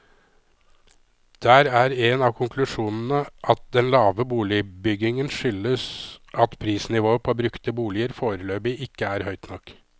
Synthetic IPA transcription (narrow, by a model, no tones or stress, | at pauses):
d̪̥æːɾæɾɛnɑːʋkʰʊŋkʰlʉʂuːnn̩əʔɑt̪̚d̪ɛnlɑːʋəbuːlɪbʏɡɪŋənʂʏləsʔɑt̪pʰɾiːsnɪʋoːəpʰɔːbɾʉkt̪əbuːlɪəɾfoːɾəløːbɪʔɪkːəæɾhœʏt̪nɔkː